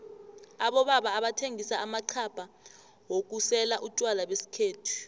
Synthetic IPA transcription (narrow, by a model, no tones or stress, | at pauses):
aɓɔɓaɓaːɓatʰeŋʱisaamaǃʰapʰʼa | wok̬usɛlaʔutʼwalaɓwesi̥kʰeːtʰu̥